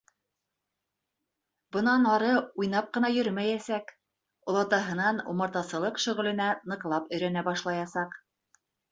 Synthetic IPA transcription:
bɤ̆nɑnɑɾɤujnɑp̚qɤ̆nɑjɵɾmæjæsæk | ŏlˠɑt̪ɑɦɤ̆nɑnṵmɤ̆ɾt̪ɑsɤ̆lˠɤqʃɵ̆ʁɘ̆lɘ̆nænɤ̆qlˠɑpɵ̆jɾænæbɑʃlˠɑjɑsɑq

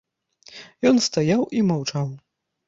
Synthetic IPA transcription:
jɔnst̪ajawimawt͡ʂaw

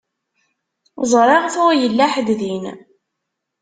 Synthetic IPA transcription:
zˤɾˤɑʁθæjəlːaħəd̪ðin

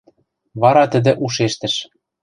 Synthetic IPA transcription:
βɑɾɑt̪ə̆d̪ɘ̆ʔuʃ̬eʃt̪ɘ̆ʃ

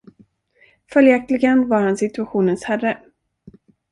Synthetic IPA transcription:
fœljɛk̚t̪lɪɡənvaɾhansɪt̪ɵaɧuːnənshærːə

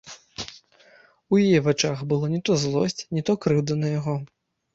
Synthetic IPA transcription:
ujajɛvat͡ʂaxbɨlˠɔnʲɛt̪ɔzlˠɔsʲt͡sʲnʲɛt̪ɔkɾɨd̪ɐnɐjaɣɔ

